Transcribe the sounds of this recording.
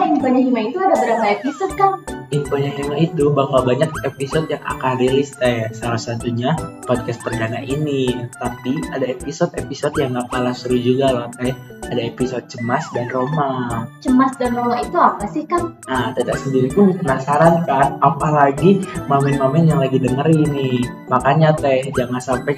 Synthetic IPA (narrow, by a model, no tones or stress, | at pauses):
ainpoɲaɦimait̪uadabəɾamaepisɔd̪̚kaninpoɲaɦimait̪ubaɦwabaɲak̚episɔt̪jaŋa̰kanrilɪst̪ajasalahsat̪uɲapɔd̚kast̪̚pərdanaʔinit̪apiadaepisɔt̪episɔt̪jaŋapalasuɾud͡ʒuɡalɔht̪aj | adaepisɔd̚t͡ʃəmasdanromat͡ʃəmasdanromait̪uapasɪhkanat̪adaʔsəndiɾip̪ʊnpənasaɾankanapalaɡimamɛnmamɛnjaŋlaɡidəŋəɾinɪh | makaɲat̪ɛhd͡ʒaŋansampaj